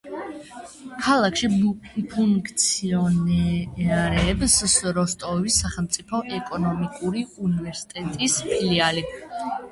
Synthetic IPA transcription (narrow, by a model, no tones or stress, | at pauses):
kʰalˠakʰʃipʰuŋkʰt̪sʰiɔnɛaɾɛːbsɾɔst̪ʼɔvisːaχɛlˠmt̪sʼipʰɔʔɛkʼɔnɔmikʼuɾiunivɛɾsi̥t̪ʼɛt̪ʼispʰiliali